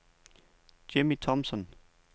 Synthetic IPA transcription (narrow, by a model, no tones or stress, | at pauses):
d̥emit͡sʰɒmsɔn